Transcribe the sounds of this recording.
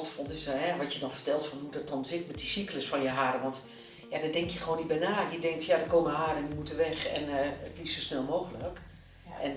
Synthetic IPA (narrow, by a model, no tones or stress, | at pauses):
tfɔnˠɪsɦɛʋɔtjədɔnfərtɛlˠtfɔnɦudɔt̚ɔnsɪtmɛtdisikləsfɔnjəɦaːɾəʋɔnt | jadɔdɪŋkjəxəʋoːnitbɛnaːjədɪŋk̚tjadəkoːməɦaːɾəɛnəmutəʋɛxɛnətlisosnɛlˠmoːxələk | ʔɛn